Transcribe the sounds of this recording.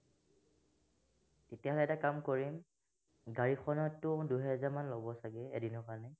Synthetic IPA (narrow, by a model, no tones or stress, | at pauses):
tetijaɦɔlɛɛtakamkoɹim | ɡaɹixʰɔnɔtːʊduɦɛzaɹmanlɔbɔsaɡɛɛdinɔkanɛ